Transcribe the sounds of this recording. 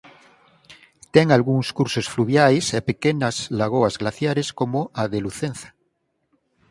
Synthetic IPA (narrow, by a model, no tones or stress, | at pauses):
t̪eŋalɣuŋskuɾsosfluβjajsapekenazlaɣ̞oazɣlaθjaɾeskomoaðeluθẽnθḁ